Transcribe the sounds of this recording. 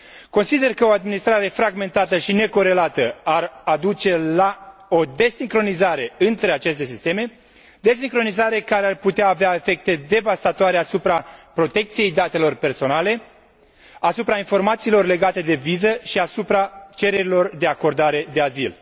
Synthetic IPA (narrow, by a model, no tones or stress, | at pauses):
ko̞nsid̪e̞rkəoad̪̚minist̪ɾaɾe̞fɾaɡme̞nt̪at̪əʃine̞ko̞ɾe̞lat̪əarad̪ut͡ʃe̞lao̞d̪e̞siŋkɾo̞nizaɾe̞ɨnt̪ɾe̞at͡ʃe̞st̪e̞sist̪e̞me̞ | d̪es̬iŋkɾo̞nizaɾe̞kaɾearput̪eaːveae̞fe̞k̚t̪e̞d̪e̞vast̪at̪oaɾe̞asupɾapɾo̞t̪e̞k̚t̪sije̞jd̪at̪e̞lo̞rpe̞rso̞nale̞ | asupɾainfo̞rmat̪siːlo̞rle̞ɡat̪e̞d̪e̞vizəʃiasupɾat͡ʃe̞ɾe̞ɾilo̞rd̪e̞ako̞rd̪aɾe̞d̪e̞azḭl